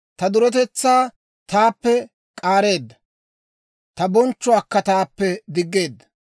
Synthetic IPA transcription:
t̪ɐd̪ʊɾɔt̪ɛt͡sːaː | t̪aːpːɛ | kʼaːɾe̞ːd̪ːɐ̥ | t̪ɐbɔnt͡ʃːʊakːɐt̪aːpːɛd̪ɪɡːe̞ːd̪ːɐ̥

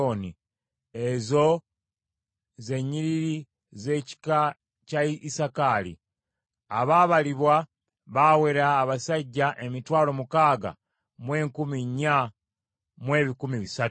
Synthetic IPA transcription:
oni | ezo̞ | ze̞ɲiɾiɾi | ze̞ːci̥ka | caiisakaːlḭ | aβaβaliβwa | βawe̞ɾaːβasaɟːaʔe̞mitwaːlo̞mukaːɡa̰ | mwe̞ːŋkumiɲa | mwe̞ːβikumiβisatu

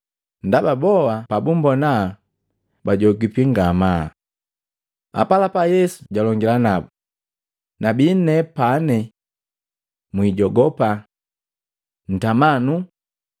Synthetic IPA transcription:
ndababɔwapabumbɔna | baɟɔɡipiŋɡama | a̰palapajɛsu̥ɟalɔŋɡilanabu | nabin̩nɛpanɛ | mwiɟɔɡɔpa | n̩tamanu

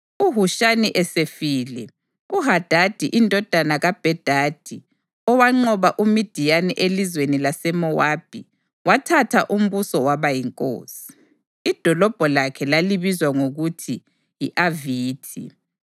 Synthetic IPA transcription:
uɦuʃaniʔɛsefiːlɛ | uɦad̥ʱad̥ʱiʔindʱɔd̥ʱanaɣab̥ʱɛd̥ʱad̥ʱi | ɔwaŋ͡ǃɔβaʔumid̥ʱijanɛʔelizwenilasɛmɔwab̥ʱi | watʰatʰaʔum̩βusɔwaβajiŋkʼo̰ːsi̥ | id̥ʱɔlɔb̥ʱɔlakʰɛlaliβizwaŋoɣutʰi | jiʔaviːtʰḭ

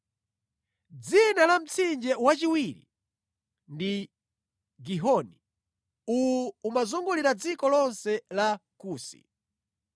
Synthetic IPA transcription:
d͡zinalam̩t͡sʰind͡ʒɛwat͡ʃiwiɾḭ | ndi | ɡiɦɔni | ujuːmazuŋɡuliɾad͡zikɔlɔnsɛlakuːsḭ

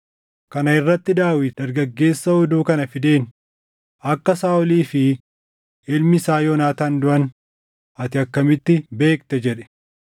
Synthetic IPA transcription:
kɐnɐɪrːɐt̪ːɪd̪aːwɪd̪ɐɾɡɐɡːe̞ːsːɐhɔd̪uːkɐnɐfɪd̪eːn | ʔɐkːɐsaːɔliːfɪ | ɪlmɪsaːjoːnaːt̪aːnd̪ʊʔɐn | ʔɐt̪ɪɐkːɐmɪt̪ːɪbe̞ːkt̪ɛd͡ʒɛᶑɛ̥

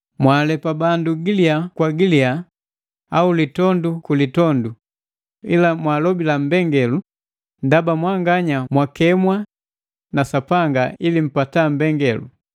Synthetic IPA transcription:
mwaːlɛpabanduɡiliakwaɡilia | aulitɔndukulitɔndu | ilamwaːlɔbilam̩bɛŋɡɛlu | ndabamwaŋɡaɲamwakɛmwa | nasapaŋɡailim̩patam̩bɛŋɡɛlṵ

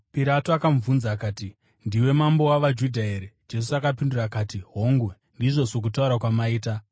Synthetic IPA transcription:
piɾatoakaɱvunzaːkaːti | ndiwe̞mambo̞waʋad͡ʒudʱaeɾed͡ʒe̞s̬uakapindurakaːtiɦo̞ŋɡwe | ndiʐo̞sok̬utauɾakwamaiːta

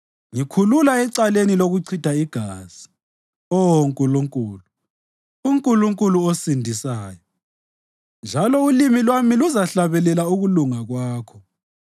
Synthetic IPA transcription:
ŋikʰululaɛǀaleniloɣuǀʰitʰaiɡ̥ʱaːz̥i̥ | ɔŋkʼuluŋkʼuːlu | uŋkʼuluŋkʼuluosindʱisaːjɔ | nd͡ʒʱalɔulimilwamiluzaɬaβɛlɛlauɣuluŋaɣwaːkʰɔ

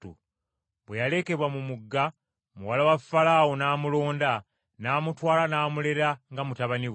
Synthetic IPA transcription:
ṵ | bwejale̞ːke̞βwamumuɡːa | mṵwalawafːalaːwonaːmulo̞ːnda | naːmutwaːlanaːmule̞ɾaŋɡamutaβani

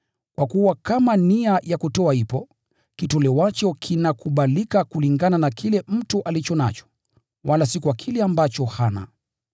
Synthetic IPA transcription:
kwʔakuwakamaniajakutɔahipɔ | kitɔlɛwat͡ʃɔkʰinakuɓalikakuliŋɡananakʰilɛm̩tuʔalit͡ʃɔna̰t͡ʃɔ̥ | walasikuakʰilɛambat͡ʃɔhana̰

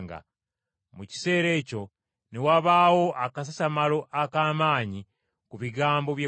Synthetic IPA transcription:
ŋɡa̰ | muci̥se̞ːɾe̞ːco̞ | newaβaːwo̞ʔakas̬asamalo̞ʔakaːmaːɲi | kuβiɡaːmbo̞βje

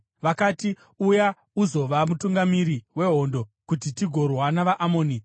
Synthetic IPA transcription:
ʋakati | uja | uzo̞ʋamutuŋɡamiɾiwe̞ɦo̞ndo̞kutitiɡʱo̞rwanaʋaʔamoːni

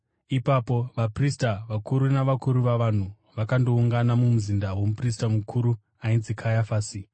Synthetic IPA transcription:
ipapo̞ʋapristaʋakuɾunaʋakuɾuʋaʋan̤u | ʋakando̞uŋɡanamumuzindawo̞mupris̬tamukʰuɾu | ainzikʰajafaːsi

